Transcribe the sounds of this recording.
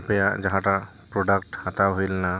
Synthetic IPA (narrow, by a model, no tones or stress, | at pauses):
pɛjaʔd͡ʒaɦãʈa | pɾɔɖək̚ʈhat̪awɦojlna